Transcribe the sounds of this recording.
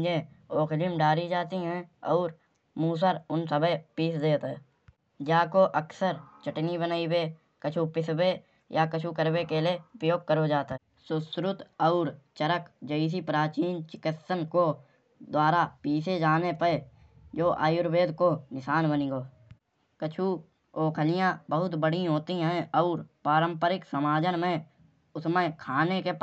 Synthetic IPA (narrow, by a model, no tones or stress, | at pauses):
d͡ʒẽoːkʰlɪmɖaːɾid͡ʒaːt̪iɦɛ̃ɔːɾ | muːs̬əɾʊnsəbəpiːsd̪eːt̪ɦɛː | d͡ʒaːkoʔəksəɾt͡ʃəʈnibənaːibe | kət͡ʃʰupɪsbe | jakət͡ʃʰukəɾbekeleʊpjoːɡ̚kəɾod͡ʒaːt̪ | sʊsɾʊt̪ɔːɾt͡ʃəɾəkd͡ʒəis̬ipɾaːt͡ʃiːnt͡ʃɪkɪt̪sənko | d̪waːɾapiːsed͡ʒaːnepə | d͡ʒoːʔa̰ːjʊɾbeːd̪konɪʃaːnbəniɡoː | kət͡ʃʰu | oːkʰəlijãbəɦʊt̪bəɽiɦoːt̪iɦɛ̃ɔːɾpaːɾə̃mpəɾɪksəmaːd͡ʒənmẽ | ʊsmekʰaːnekep